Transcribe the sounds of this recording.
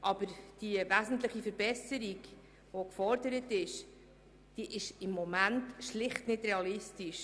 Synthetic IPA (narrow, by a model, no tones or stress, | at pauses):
ʔɑb̥əɾd̥ivæzən̩tləχifəɾbɛsəɾik | vokfɔɾdəɾətɪʃ | d̥iʔɪʃɪmːomæntʃlɪχtnɪdrɛɑlɪstiʃ